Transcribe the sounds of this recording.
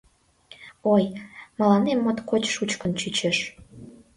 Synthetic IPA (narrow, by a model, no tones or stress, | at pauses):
ojmɑlɑnemːot̪kot͡ɕʃut͡ɕkə̆nt͡ɕyt͡ɕeʃ